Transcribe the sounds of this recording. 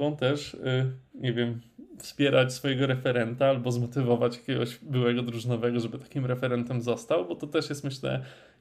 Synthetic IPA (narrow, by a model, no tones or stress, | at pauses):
ɔ̃w̃t̪ɛʂ | ɲevʲjɛmfspʲjɛɾat͡ɕsfɔjɛɡɔɾɛfɛɾɛnt̪aalbɔzmɔt̪ɘvɔvat͡ɕjakʲeɡɔʑbɘwɛɡɔd̪ɾuʐɘnɔvɛɡɔʐɛbɘt̪ḁkʲimɾɛfɛɾɛnt̪ɛmzɔst̪awbɔt̪ɔt̪ɛʂjɛst̪mɘɕlɛ̰